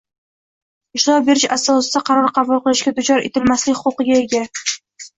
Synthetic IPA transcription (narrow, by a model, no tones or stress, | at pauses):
ɪʃt̪ɪɾɒp̚be̞ɾɪʃasɒsɪd̪aqʰɑɾɒɾqʰɑbʊlˠqɨlˠɪʃɡʲad̪ʊt͡ʃɒɾe̞̰t̪ʰɪlmaslɪkʲhʊqʊqɨɡʲaeɡʲa